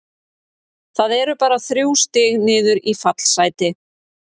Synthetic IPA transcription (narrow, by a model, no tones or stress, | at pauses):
θaðɛɾʏpaːɾaθɾjuwst̪ɪːɣnɪːðʏɾifat̪l̥sajt̪ɪ